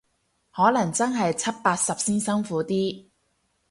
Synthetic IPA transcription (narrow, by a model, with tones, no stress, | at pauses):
hɔː˨˥lɐ˨˩ŋt͡sɐ˥nɦɐ˨jt͡sʰɐ˥t̚paː˧t̚sɐ˨p̚siː˥nsɐ˥ŋfuː˨˥t̪iː˥